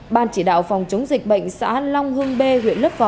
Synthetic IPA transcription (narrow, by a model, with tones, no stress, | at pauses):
ɓaː˨˩nt͡ɕi˧˩ɗa̰ː˧˨wfɔ˨˩wŋ͡mt͡ɕʊ˨˦ŋ͡mzï˨˩k̟̚ɓə̰˧˨jŋ̟sa̰ː˧˥la˧wŋ͡mhɨ˧əŋɓe˧ɦwḭ˧˨ənlə˦˥p̚fɔ˨˦